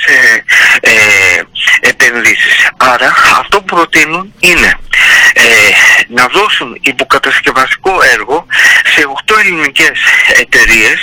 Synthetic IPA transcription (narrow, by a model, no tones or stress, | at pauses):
se | e | epe̞nðisisɐɾɐɐ̰ft̪o̞pupɾo̞t̪inunine̞enɐðo̞sunipokɐt̪ɐsce̞vɐst̪i̥ko̞e̞ɾɣo̞se̞oxt̪o̞e̞linice̞se̞t̪e̞ɾie̞s